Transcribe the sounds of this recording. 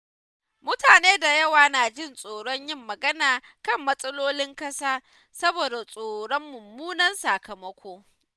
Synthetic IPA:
mʊ˦taː˨neː˦da˨jɐ˦waː˨naː˨d͡ʒɪ˦nsʼoː˨ɽɔ˦ɲjɪ˦mːɐ˨ɡɐ˦naː˨kɐ˦˨mːɐ˦sʼɐ˦loː˦lɪ˦ŋkɐ˦saː˦ | sɐ˦boː˨da˨sʼoː˨ɽɔ˦mːʊ˨mːuː˦nɐ˦nsa˨kɐ˨mɐ˦kʷoː˦

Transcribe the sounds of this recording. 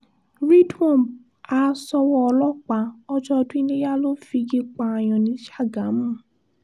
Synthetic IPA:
ɾi˦dɔ̃˦˨ | a˧sɔ˧wɔ˦ɔ˧lɔ˦k͡pa˨˧˦ɔ˧d͡ʒɔ˧dũ˦i˦nẽ˦ja˦lo˦fi˧ɡi˧k͡pa˧a˨j̃ɔ̃˨nĩ˨˦ʃa˦˨ɡa˨˦mũ˦˨

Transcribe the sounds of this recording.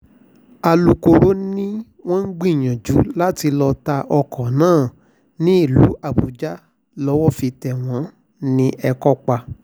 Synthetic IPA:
a˧lu˨ko˧ɾo˦nĩ˦ | w̃ɔ̃˦n̩˦ɡ͡bĩ˦˨j̃ã˨d͡ʒu˨˦la˦ti˧lɔ˧ta˧ʔɔ˧kɔ˨nãː˦˨ | nĩ˦i˦˨lu˨˦ʔa˦˨bu˨d͡ʒa˦ | lɔ˦wɔ˦fi˧tɛ˨w̃ɔ̃˨˦ | nĩ˧ʔɛ˧kɔ˦k͡pa˧

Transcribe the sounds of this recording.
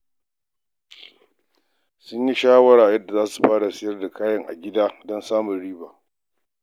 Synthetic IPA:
sʊ˦ɲji˦ʃaː˦wɐ˦ɽaː˨jɐ˦dːa˨zaː˦su̥˨ɸaː˦ɽa˨sɪ˦jɐ˦rda˨kaː˦jɐ˨ŋʔa̰˨ɡʲɪ˦daː˦dɔ˦nsaː˦mʊ˨nɽiː˦baː˨

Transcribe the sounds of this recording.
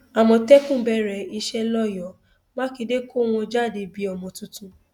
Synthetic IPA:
a˨mɔ̃˧tɛ˦kũ˦˨bɛ˦ɾɛ˨i˧ʃɛ˦lɔ˦˨jɔ˨˦ | mã˦ki˧de˦ko˦˨w̃ɔ̃˧d͡ʒa˦˨de˧˨bi˨˦ɔ˨mɔ̃˨tũ˧tũ˧˦

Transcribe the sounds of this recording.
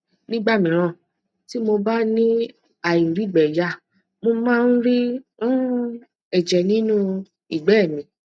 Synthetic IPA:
nĩ˦ɡ͡ba˦˨mĩ˨ɾ̃ã˦˨ | ti˦mo˧ba˦nĩ˦ | a˨i˨ɾi˨˦˨ɡ͡bɛ˨ja˨˦˨ | mo˧mãː˦˧n̩˦ɾi˦ũ˦ | ɛ˨d͡ʒɛ˨nĩ˦nũ˦ | i˦˨ɡ͡bɛ˨˦˨mĩ˨

